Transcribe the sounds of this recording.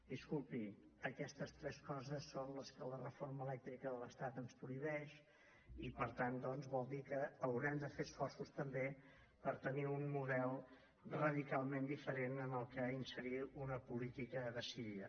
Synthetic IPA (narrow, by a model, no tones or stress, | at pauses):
d̪̥iskulˠpiəkɛst̪əst̪ɾɛskɔzəsːonləskələrəforməlɛk̚t̪ɾikəðələst̪at̪ənspɾuiβɛʃ | ipəɾt̪and̪ɔnzβɔlˠd̪ikəːwɾɛmd̪əfeəsfɔrsust̪əmbe | pəɾt̪əniunmuðɛlˠ | rəðikalˠmend̪ifəɾenənəlˠkəinsəɾiunəpulit̪ikəðəsiɾiə